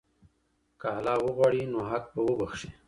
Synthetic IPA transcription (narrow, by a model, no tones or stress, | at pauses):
kaalɑwəɣwaɽinoɦak̚bəwəbaxʃi